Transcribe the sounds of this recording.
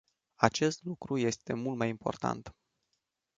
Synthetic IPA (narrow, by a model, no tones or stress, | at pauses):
at͡ʃe̞st̪lukɾuje̞st̪e̞mult̪majimpʰo̞̰rt̪a̰nt̪